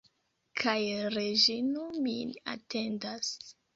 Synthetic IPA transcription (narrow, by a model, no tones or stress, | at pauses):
kʰajɾed͡ʒinomḭa̰te̞ndas